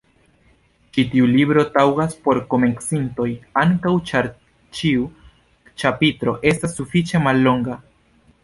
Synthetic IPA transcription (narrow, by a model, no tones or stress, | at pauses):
t͡ʃitiulibɾo̞tawɡaspo̞ɾko̞me̞ksinto̞jaŋkawa | t͡ʃiu | t͡ʃapitɾo̞ʔe̞stasːufit͡ʃe̞malːo̞ŋɡa